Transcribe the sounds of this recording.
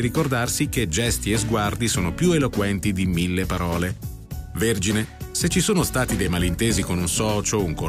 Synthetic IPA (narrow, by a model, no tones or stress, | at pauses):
ɾikord̪arsiked͡ʒɛst̪iezɡward̪isoːnopjuelokwɛnt̪id̪imilːepaɾɔːle | verd͡ʒineset͡ʃːisoːnost̪aːt̪id̪ejmalint̪eːzikonunsɔːt͡ʃouŋko